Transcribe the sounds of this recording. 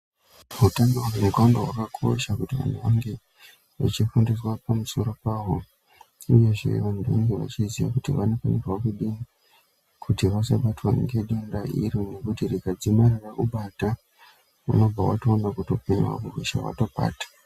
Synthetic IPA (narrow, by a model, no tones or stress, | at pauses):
ɦutanoemukandowakakʰo̞̰ʃakutiʋa̰noŋɡe | ʋa̰t͡ʃifundiswapamuso̞ɾo̞paːɦo̞ | uje̞ʐḛʋandʱoŋɡeʋa̰t͡ʃiziʋa̰kutiʋano̞fanerwakuɗi | kʰutiʋasaɓatwanŋɡeɗindaʔḭɾune̞kutirikad͡zimarirakuɓata | ṵno̞b͡vʱawatoːnakuto̞peniwa̰kuriʃa̰wa̰to̞ɓa̰ːtḁ